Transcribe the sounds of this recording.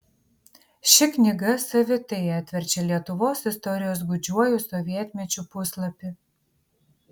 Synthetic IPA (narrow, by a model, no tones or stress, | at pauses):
ʃʲɪknʲɪɡɐsɐʋʲɪt̪ɛɛt̪ʲʋʲɛɾʲt͡ʃʲɛlʲiɛt̪ʊʋoːsɪst̪ɔɾʲɪjoːs̬ɡʊd͡ʒʲuɔjʊsɔʋʲiɛt̪ʲmʲɛt͡ʃʲupʊslˠɐpʲɪ